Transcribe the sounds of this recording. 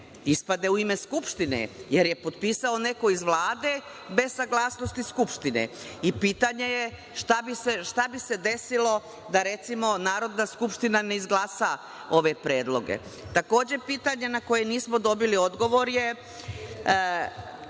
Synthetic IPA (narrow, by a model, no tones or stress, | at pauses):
ispad̪e̞uime̞skupʃt̪inḛjeɾjepo̞t̪̚piːsao̞ne̞ko̞izʋlˠaːd̪e̞ | be̞zsaɡlˠaːsno̞st̪iskupʃt̪inḛ | ipiːt̪aɲe̞je | ʃt̪abiseʃt̪abise̞d̪e̞silo̞ | d̪aɾet̪simo̞naːɾo̞d̪naskupʃt̪inaneizɡlˠaːsa | o̞ʋe̞pɾeːd̪lˠo̞ɡe̞̰ | t̪ako̞ːd͡ʑepiːt̪aɲe̞nako̞jeniːsmo̞d̪o̞bilio̞d̪ɡo̞ʋo̞ɾje